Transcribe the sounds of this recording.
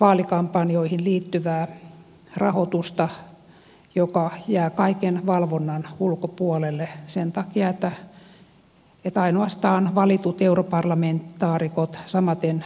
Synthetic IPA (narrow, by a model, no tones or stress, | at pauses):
ʋɑːlikɑmpːɑnioihinliːt̪ːyʋæː | rɑhot̪ust̪ɑ | jokɑjæːkɑikenʋɑlʋonːɑnulkopuolelːesent̪ɑkiɑet̪ːæ | et̪ɑinoɑst̪ɑːnʋɑlit̪ut̪europɑrlɑment̪ːɑːrikot̪sɑmɑt̪en